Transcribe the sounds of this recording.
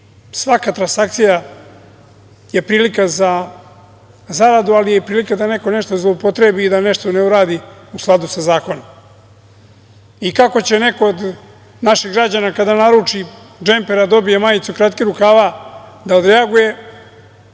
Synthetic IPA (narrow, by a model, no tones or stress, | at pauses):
sʋakat̪ɾansak̚t̪sija | je̞pɾiːlikaza | zaɾad̪ualije̞pɾiːlikad̪ane̞ko̞ne̞ʃt̪ozlˠoupot̪ɾebiːd̪ane̞ʃt̪o̞neuɾaːd̪iusklˠad̪usazaːko̞nom | ikako̞t͡ɕe̞ne̞ko̞od̪ | naʃiɣɡɾad͡ʑanakad̪anaɾuːt͡ʂi | d͡ʒempeɾad̪o̞bijemajit̪sukɾat̪kiɾukaːʋad̪aod̪ɾeaɡuje̞